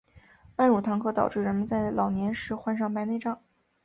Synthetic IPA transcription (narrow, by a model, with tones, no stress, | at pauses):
pa˥˩nɻu˨˩t̪ʰɑ˧˥ŋkʰɤ˥˧t̪ɑ˨˩ʊʈ͡ʂɻ̩˥˩ɻə˧˥nmə˧nt͡sa˥˩ɪlʔɑ˨˩ʊnjɛ˧˥nʂɻ̩˧˥xwa˥˧nʂɑ˥˩ŋpa˧˥ɪne˥˧ɪʈ͡ʂɑ˥˩ŋ